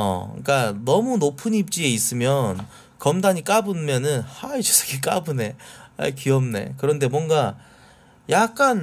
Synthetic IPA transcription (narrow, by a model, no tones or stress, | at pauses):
ʌ̰k͈anʌmunopʰɯnip̚t͡ɕ͈ie̞is͈ɯmjʌn | kʌmdaɲik͈abɯmjʌnɯnhait͡ɕo̥s͈ʰʌ̥ɡek͈abɯne̞a̰kiʌmne̞̰kɯɾʌnde̞mwʌŋɡa | jak̚k͈an